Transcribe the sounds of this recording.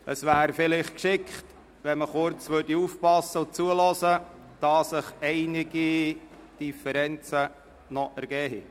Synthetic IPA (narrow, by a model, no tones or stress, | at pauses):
əsʋæːɾfɪlɪχtkʃɪkχt | ʋɛnməχʊɾt͡sʋørdiuːfpɑsːəʊt͡suəlɔsə | d̥ɑsəχɛɪnɪɡ̥i | d̥ifəɾɛnt͡sə | nɔʔæɾɡ̥ɛːɦḭ